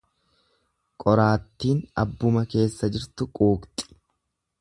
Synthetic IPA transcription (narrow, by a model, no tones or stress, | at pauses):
kʼɔɾaːt̪ːiːnɐ̰bːʊmɐke̞ːsːɐd͡ʒɪɾt̪ʊkʼuːkt̪ʼɪ̥